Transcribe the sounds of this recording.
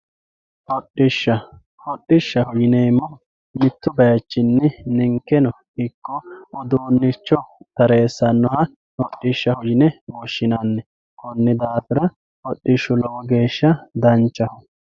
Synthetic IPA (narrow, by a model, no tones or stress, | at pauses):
hɔɗːɪʃːɐ | hɔɗːɪʃːɐhɔd͡ʒɪneːmːɔ | mɪt̪ːʊbɐjɐt͡ʃːɪnːɪnɪŋkːɛnɔ | ɪkːɔɔd̪uːnːɪt͡ʃːɔt̪ɐɾe̞ːsːɐnːɔhɐ | hɔɗːɪʃːɐhɔd͡ʒɪnɛwɔʃːɪnɐnːɛ | kɔnːɪd̪aːfɪɾɐ | hɔɗːɪʃːʊlɔwɔɡe̞ːʃːɐd̪ɐnt͡ʃːɐ